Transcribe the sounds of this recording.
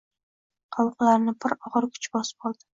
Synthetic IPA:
qʰɑlˠqlaɾnɪbʰɪɾɒʁɨɾkʰʊ̥t͡ʃbɒsɪ̥p̚bɑlˠd̪ɪ̥

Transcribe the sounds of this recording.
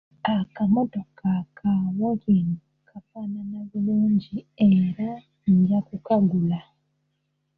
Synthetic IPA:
akamo̞to̞kakʰaβokinu | kʰafananaβuluːɲɟie̞ɾa | ɲɟakukaɡula

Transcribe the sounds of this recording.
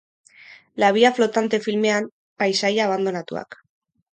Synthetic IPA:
laβ̞iaflo̞t̪ant̪e̞filme̞am | pajsajaːβ̞and̪o̞nat̪ua̰k

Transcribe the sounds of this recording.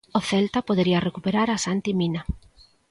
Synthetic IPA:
oθɛlt̪apoð̞eɾiɐrekupeɾaɾasant̪imina

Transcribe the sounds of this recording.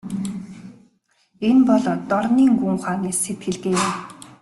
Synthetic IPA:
enpɔɮɔːt̪ːɔrniːŋɡuŋχaːniːset̪xɘ̆ɮɣeːjʊm

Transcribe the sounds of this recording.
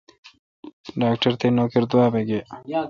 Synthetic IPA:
ɖaːkʈɐɾt̪eːnoːkeɾd̪uwaːbeɡeː

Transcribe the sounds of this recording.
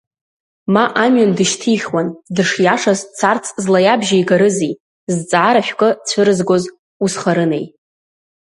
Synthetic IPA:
maʔamɥandɨʃtʰiχʲwandɨʂjaʂazt͡sʰart͡sʰzlajabʒajɡaɾɨzij | zt͡sʼaɾaʃʲʷᶣkʼɨt͡sʷʰɨɾɨzɡo̞z | usχaɾɨnḛj

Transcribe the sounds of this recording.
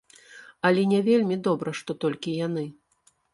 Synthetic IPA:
ɐlʲɛnʲɛvʲelʲmʲid̪ɔbɾɐʂt̪ɔt̪ɔlʲkʲijanɨ

